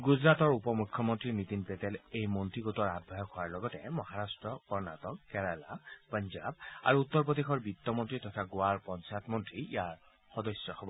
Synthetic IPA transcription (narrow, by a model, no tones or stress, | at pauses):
ɡuzɹatɔɹupɔmukʰːjɔmɔntɹinitinpetɛlejmɔntɹiɡotɔɹad̚ʱbʱajɔkhɔwaɹlɔɡɔtɛ̰mɔɦaɹastɹɔkɔɹna̰tɔkːɛɹala̰pɔnza̰ba̰ɹuutːɔɹp̬ɔdixɔɹbitːɔmɔntɹitɔtʰaɡoaɹpɔnt͡ʃatmɔntɹiijaɹ | xɔdɔsjɔxɔbɔ